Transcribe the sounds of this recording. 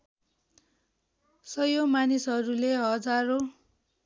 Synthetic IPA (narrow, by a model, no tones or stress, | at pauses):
sʌjomanisɦʌɾuleɦʌd͡zaɾo